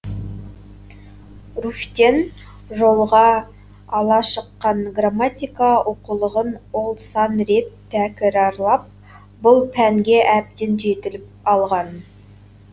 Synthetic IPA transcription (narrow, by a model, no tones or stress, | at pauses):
ruft̪e̞n | ʒo̞lˠʁɑː | lˠɑʃəqːɑɴɡramat̪ʲijkaoqulˠəʁənwo̞lˠsɑnɾe̞t̪ʰːækʲɪɾɑɾlˠɑp̚ | bʊlˠpʰæŋɡʲe̞ʔæp̚t̪enʒe̞t̪ɪlɪp̚ɑlˠʁɑn